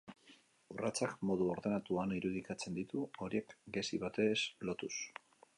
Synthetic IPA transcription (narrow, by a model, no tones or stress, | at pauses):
urat͡sakmo̞ð̞uo̞ɾðe̞nat̪uaniɾuðikat͡se̞nd̪it̪uo̞ɾie̞kɡe̞siβat̪e̞slo̞t̪us